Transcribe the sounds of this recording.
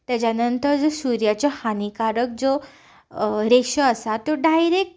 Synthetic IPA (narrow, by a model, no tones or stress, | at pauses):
t̪jat͡ɕanənt̪əɾd͡zosuɾjat͡ɕɔhanikaɾək̚d͡zo | ɾekɕəəsat̪ːoɖajɾek̚ʈ